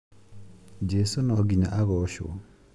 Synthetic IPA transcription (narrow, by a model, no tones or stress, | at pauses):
d͡ʒesonɔɡiɲaʔaɡɔʃo̰